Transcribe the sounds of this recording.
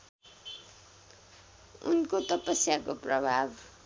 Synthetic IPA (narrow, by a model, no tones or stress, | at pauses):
ṵnkot̪ʌpʌsjakoprʌbʱab